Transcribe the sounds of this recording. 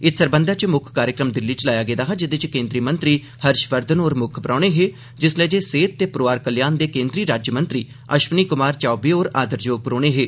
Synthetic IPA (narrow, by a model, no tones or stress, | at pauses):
ɪt̪ʰsəɾbənd̪aːt͡ʃmʊkʰkaːɾjəkɾəmd̪ɪlːiːt͡ʃəlaːjaːɡeːd̪aːɦaːd͡ʒɪd̪et͡ʃkẽːnd̪ɾiːmənt̪ɾiː | həɾʃʋəɾd̪ənoːɾmʊkʰpəɾaːɽ̃eːɦeː | d͡ʒɪslɛːd͡ʒeːseːt̪̚ːeːpɾoːaːɾkəljaːnd̪eːkẽːnd̪ɾiːɾaːd͡ʒjəmənt̪ɾiː | əʃʋniːkʊmaːɾt͡ʃaːbiːoːɾa̰ːd̪əɾd͡ʒoːɡ̚pəɾoːɽeːɦeː